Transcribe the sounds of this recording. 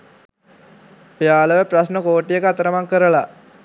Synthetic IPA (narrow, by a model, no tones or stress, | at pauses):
pjaːləʋəprasnəkoːʈːijəkəat̪əɾəmaŋkəɾəla